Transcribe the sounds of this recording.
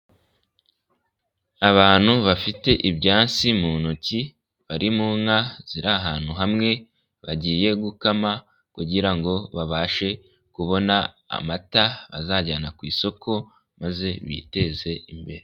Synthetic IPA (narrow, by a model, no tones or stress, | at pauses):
aβaːn̥huβafite̞ʔibɟaːnt͡simunoci | βaɾimuːŋhaz̥iɾaɦaːn̥huɦamŋe̞ | βaɟiːje̞ɡukama | kuɟiɾaŋɡo̞βaβaːʃe̞ | kuβo̞na̰ː | mataβazaːɟaːnakwiːso̞kʰo̞ | maze̞βḭte̞ze̞imbe̞ɾe